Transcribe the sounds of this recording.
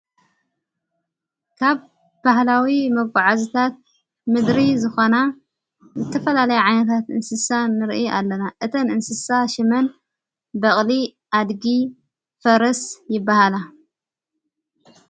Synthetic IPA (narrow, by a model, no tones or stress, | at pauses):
kʰaβ | bahlawimɐɡʷʼaʕazɨt̪ʰat̪̚ | mɨd̪ɾizɨxona | zɨt̪ʰɐfɐlalɐjuʕajnɐt̪ʰat̪ʔɨnsɨsanɨɾʔʔalːɐnaʔɨt̪ʰɐnɨnsɨsaʃɨmɐn | bɐχʼli | ʔad̪ɡi | fɐɾɐsjɪbːahala